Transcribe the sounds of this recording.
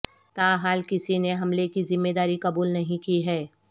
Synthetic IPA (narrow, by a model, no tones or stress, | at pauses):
t̪aːɦaːlkɪsineɦɐmlekizɪmːeːd̪aːɾikɐbuːlnɐɦĩkiɦɛː